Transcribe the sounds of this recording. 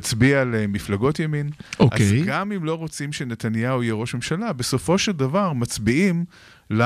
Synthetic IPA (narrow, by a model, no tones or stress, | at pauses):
t͡sbialemiflaɡo̞tjaminoʔa̰ezɡamimlo̞ʁo̞t͡simʃenet̪anjauijɛʁo̞ʃme̞mʃalabe̞so̞fo̞ʃeldavaʁmat͡sbiim | la